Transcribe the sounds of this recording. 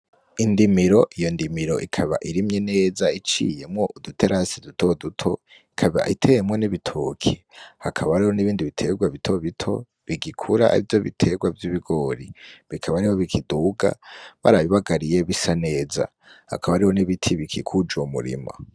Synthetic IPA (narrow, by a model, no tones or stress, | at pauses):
indimiɾo̞ʔijo̞ndimiɾo̞̰ʔikʰaβa̰ʔiɾimɲe̞ne̞ːzait͡ʃḭje̞mŋo̞ʔudutʰeɾasidutʰo̞dutʰo̞ | ikʰaβa̰ʔitʰejemŋo̞niβitʰukʰi | hakʰaβaɾiho̞niβiːndiβitʰe̞ɡwaβitʰo̞βitʰo̞̰ | βiɡikʰuɾa̰a̰ɾivjo̞βḭtʰe̞ɡwavjiβiɡo̞ɾiβikʰaβaɾiho̞βikʰiduɡa̰βa̰ɾaβiβaɡaɾije̞βisane̞ːza̰ | ha̰kʰaβaɾiho̞niβitʰiβikʰikʰud͡ʒuomṵɾḭma̰